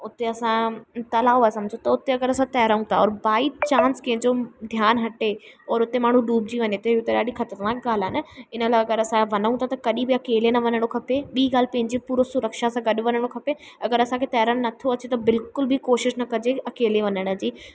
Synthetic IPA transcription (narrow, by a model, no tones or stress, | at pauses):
ʊt̪eɐsãt̪ɐlaːʋoaːesɐmd͡ʑʱot̪ɐʊt̪eɐɡəɾɐsãt̪ɐɦɾaũt̪ʰa̰ɔːɾbaːit͡ɕãːnskɐ̃ɦɪ̃ɲd͡ʑod̪ʱjaːnɦɐʈeɔːɾʊt̪emaːɳ̤ũɗuːbd͡ʑiʋɐɲet̪eiʊt̪eɗaːɗĩxɐt̪əɾnaːk̚ɡaːl̤aɦɪnəɪnəlaːɐɡəɾɐsãʋɐnũt̪ʰat̪ɐkɐɗĩbɪɐkeːlenɐʋɐnəɽ̃okʰɐpeɓiːɡaːl̤pɐ̃ɦɪ̃ɲd͡ʑipuːɾosʊɾəkʃasãɡɐɗʋɐnəɽ̃okʰɐpe | ɐɡəɾɐsãːkʰet̪ɐɦɪɾəɽ̃nɐt̪ʰoɐt͡ɕet̪ɐbɪlkʊlbʱikoːʃɪʃnɐkɐd͡ʑeɐkeːleʋɐɲəɽ̃ə̆d͡ʑiː